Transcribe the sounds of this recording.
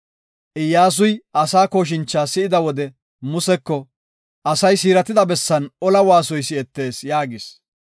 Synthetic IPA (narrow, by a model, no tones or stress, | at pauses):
ʔɪjːaːs̬ʊjʔɐsaːko̞ːʃ̬ɪnt͡ʃːaːsɪɪd̪ɐwɔd̪ɛ | mʊsɛkːɔ | ʔɐsɐjsiːɾɐt̪ɪd̪ɐbɛsːɐnʔɔlɐwaːsɔjsɪɛt̪ːe̞ːsjaːɡɪs